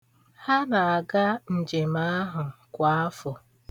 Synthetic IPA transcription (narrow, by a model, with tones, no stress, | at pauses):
ha˦na˨a˨ɡa˦n̩˨d͡ʒe˨ma˦ɦʊ˨kʷa˦a˦fʊ˨